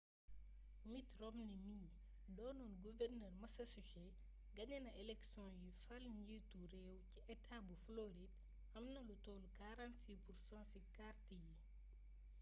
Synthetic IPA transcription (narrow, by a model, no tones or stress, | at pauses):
mitrɔmnimiɲ | dɔːnɔnɡuvɛrnɛːrmɐsɐsuʃɛ | ɡɐɲɐnɐʔɛlɛksjɔ̃jifɐlɲɟituɾɛwciʔɛtʰabufloɾid̚ | ɐmnɐlutɔːlkaɾãnsipursãnsikartiji